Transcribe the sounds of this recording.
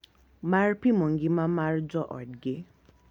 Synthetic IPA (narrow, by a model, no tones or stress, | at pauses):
marpʰimɔŋɡimamard͡zɔʔɔ̰ɖɡe